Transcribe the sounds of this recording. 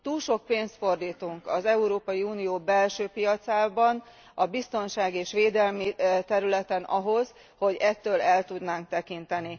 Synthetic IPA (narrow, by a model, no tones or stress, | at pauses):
t̪uːlʃo̞k̚peːnst̪fo̞rd̪iːt̪uŋkɒzɛuɾoːpɒjiuːnijoːbɛlʃøːpijɒt̪saːbɒn | ɒbist̪o̞nʃaːɡeːʃʋeːd̪ɛlmit̪ɛɾylɛt̪ɛnɒɦo̞z | ho̞ɟɛt̪ːøːlɛlt̪ud̪naːŋk̚t̪ɛkint̪ɛni